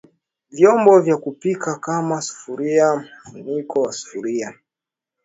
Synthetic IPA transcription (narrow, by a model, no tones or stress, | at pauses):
vjɔmbɔvjakupikakamasu̥fuɾiam̩funikɔwasu̥fuɾia